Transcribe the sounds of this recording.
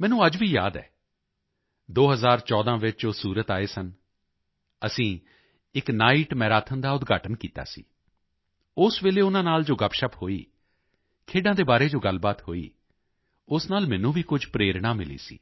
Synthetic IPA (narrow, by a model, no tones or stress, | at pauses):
mɛ̃ːnũːəd͡ʒʋiːjaːd̪ɛ̰ː | d̪oːɦəzaːɾt͡ʃɔːd̪ãːʋɪt͡ʃosuːɾət̪aːeːsən | əsĩː | ɪknaːiːʈmɛ̃ːɾaːt̪ʰənd̪aːʊd̪ɡaːʈənkiːt̪a̰ːsḭː | ʊsʋeːleːʊnãːnaːld͡ʒoːɡəpʃəphoːḭː | kʰeːɖãːd̪eːbaːɾeːd͡ʒoːɡəlbaːt̪ɦoːḭː | ʊsnaːlmɛ̃ːnũːʋiːkʊd͡ʒpɾeːɾɽaːmɪlḭːsḭː